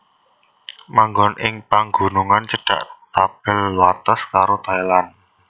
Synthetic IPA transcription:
maŋɡɔnʔɪŋpaŋɡṳnuŋant͡ʃəɖ̥a̤̰ʔt̪ab̥ɪlwat̪askaɾot̪ailan

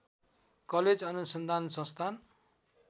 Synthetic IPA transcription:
kʌled͡zʌnusʌnd̪ʱansʌ̃nst̪ʰan

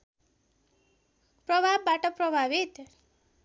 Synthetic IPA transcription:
prʌbʱabːaʈʌprʌbʱabit̪

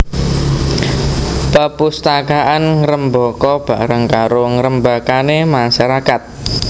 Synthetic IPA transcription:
pəpust̪akaʔanɾəmbɔkɔb̥a̤ɾəŋkaɾoŋɾəmbakanemaʃaɾakat̪̚

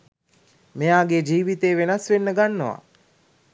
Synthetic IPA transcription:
mejaːɡed͡ʒiːʋit̪eːʋenasʋenːəɡanːoʋa̰

